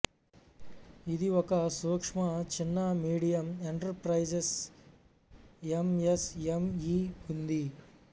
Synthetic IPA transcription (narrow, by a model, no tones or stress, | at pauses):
id̪iɔkɐsuːkʂmɐt͡ʃinːɐmiːɽijɐmeɳʈɐɾpɾɐjd͡ʒes | emesemiund̪i